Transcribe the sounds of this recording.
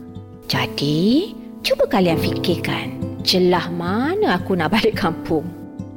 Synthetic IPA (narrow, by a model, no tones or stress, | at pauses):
d͡ʒadi | t͡ʃubəkalianfikɪkant͡ʃəlahmanəakunaʔbalɪʔkʰampʊŋ